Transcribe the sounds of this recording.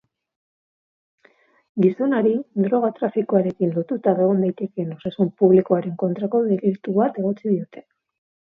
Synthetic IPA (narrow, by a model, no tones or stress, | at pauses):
ɡisonaɾid̪ɾo̞ɣ̞at̪ɾafikoaɾe̞kinlo̞t̪ut̪aβe̞ɣ̞ond̪ajt̪e̞ke̞no̞sasumpuβlikoaɾe̞ŋko̞nt̪ɾako̞ðeɣilt̪uβat̪e̞ɣo̞t͡sið̞io̞t̪e̞̥